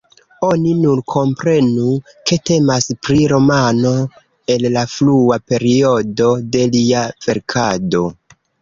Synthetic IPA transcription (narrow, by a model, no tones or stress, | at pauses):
oninuɾkʰo̞mpɾe̞nu | ke̞te̞maspɾiɾo̞mano̞ | e̞llafluape̞ɾio̞do̞de̞liav̥e̞ɾkʰado̞